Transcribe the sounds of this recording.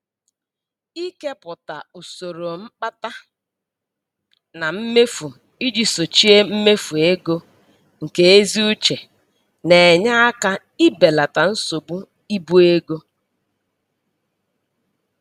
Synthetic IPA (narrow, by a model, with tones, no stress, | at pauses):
i˦ke˦pʊ˨ta˨u˨so˨ɾo˨ŋ͡m̩˦k͡pa˦ta˦ | na˨m̩˦me˦fu˨ | i˦d͡ʒi˨so˨t͡ʃi˦e˦m̩˦me˦fu˨e˦ɡo˦ | ŋ̩˨ke˦e˦zi˦u˦t͡ʃe˨ | ne˨ɲa˦a˦ka˦ | i˦be˨la˨ta˨n̩˦so˨bu˦ | i˦bu˦e˦ɡo˦